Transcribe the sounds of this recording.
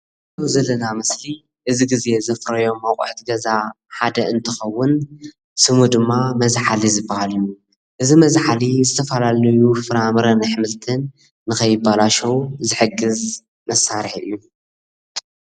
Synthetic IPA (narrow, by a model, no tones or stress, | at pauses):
zɐwzɐlːɐnamɨsli | ʔɨziɡize̞zɐfɾɐjo̞mːɐwkʼṵħt̪ʰiɡɐza | ħad̪ɐʔɨnt̪ʰɐxɐwːʊn | sɨmud̪ɨmːamɐzħalizɨbːahalɨju | ʔɨzimɐzħalizɨt̪ʰɐfɐlalɐjufɨɾamɨɾɐnħmɨlt̪ʰɨnː | ɨxɐjɪbːalaʃɐwzɨħɨɡːɨz | mɐsːaɾħɨ̰jːu